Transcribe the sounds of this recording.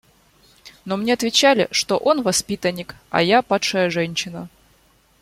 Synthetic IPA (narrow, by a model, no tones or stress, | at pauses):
no̞mnʲeɐt̪vʲɪt͡ɕalʲɪ̰ʂt̪oʔo̞nvɐspʲit̪ənʲːɪkɐ̰japat̪ʂəjəʐɛnʲɕːɪnə